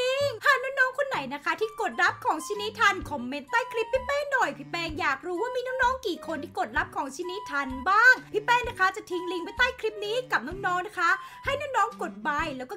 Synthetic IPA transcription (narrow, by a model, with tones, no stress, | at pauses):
i˧ŋhʰaː˨˩naɔː˥˩ŋnɔː˦˥ŋkʰo˧nːa˨˩˦jna˦˥kʰa˦˥t̪ʰiː˥˩ko˨˩t̪̚ɾa˦˥p̚kʰɔː˩˦ŋt͡ɕʰiː˧˥ni˦˥t̪ʰːa˧nkʰo˨˦mːe˧nt̪aː˥˩jkʰɾi˦˥p̚ʰːi˦˥pɛː˧˥˩ŋdoː˨˩jpʰi˦˥pɛː˧ŋjaː˨˩k̚ɾuː˦˥waː˥˩miː˧nɔː˥˩ŋnɔː˦˥ŋkiː˨˩kʰo˧nt̪ʰiː˥˩ko˨˩t̪̚ɾa˦˥p̚kʰɔː˩˦ŋt͡ɕʰiː˧˥ni˦˥t̪ʰːa˧nbaː˥˩ŋpʰi˦˥pɛː˧˩ŋna˦˥kʰa˦˥t͡ɕa˨˩t̪ʰi˧ŋli˧ŋwa˧˩t̪aː˥˩jkʰɾi˦˥p̚niː˦˥ka˨˩p̚nɔː˦˥˩ŋnɔː˦˥ŋna˦˥kʰa˦˥ | ha˥˩jnaː˦˥ŋnɔː˦˥ŋko˨˩t̪̚baː˧jlɛː˦˥wkɔː˥